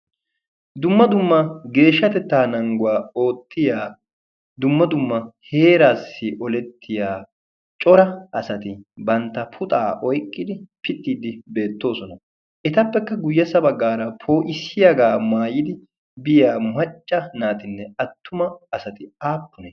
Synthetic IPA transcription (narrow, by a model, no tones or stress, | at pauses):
d̪ʊmːɐd̪ʊmːɐɡe̞ːʃːɐt̪ɛt̪ːaːnɐŋɡʊwaːo̞ːt̪ʰːɪjaː | d̪ʊmːɐd̪ʊmːɐhe̞ːɾaːsːɪʔɔlɛt̪ʰːɪjaː | t͡ʃʼɔɾɐʔɐsɐt̪ɪbɐnt̪ːɐpʰʊt̪ʼa̰ːʔɔjkʼːɪd̪ɪpɪt̪ʼːiːd̪ɪbe̞ːt̪ːo̞ːsɔnɐ | ʔɛt̪ɐpːɛkːɐɡʊjːɐsɐbɐɡːaːɾɐpʰo̞ːʔɪsːɪjaɡaːmaːjɪd̪ɪ | bɪjaːmɐt͡ʃʼːɐnaːt̪ɪnːɛɐt̪ːʊmɐɐsɐt̪ɪaːpːʊnɛ